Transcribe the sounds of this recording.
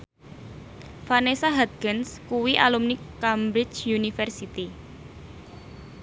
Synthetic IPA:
fanesaɦat̪̚kənskuwiʔalumnikambɾɪt͡ʃjunifɛrsit̪i

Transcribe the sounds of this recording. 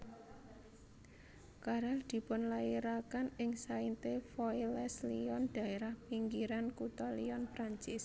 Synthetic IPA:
kaɾald̪̥i̤pʊnlaiɾakanɪŋsaint̪efɔilɛsliɔnd̪̥ä̤eɾahpiŋɡiɾankut̪ɔliɔnpɾaɲt͡ʃɪs

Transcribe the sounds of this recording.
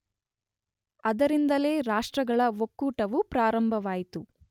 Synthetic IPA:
ɐd̪ɐɾind̪ɐle̞ːɾaːʂʈɾɐɡɐɭɐʋokːuːʈɐʋupɾaːɾɐmbʱɐʋaːjit̪u

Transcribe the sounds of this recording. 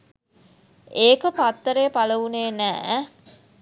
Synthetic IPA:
eːkəpat̪ːəɾeːpaləʋuneːnæ̰ː

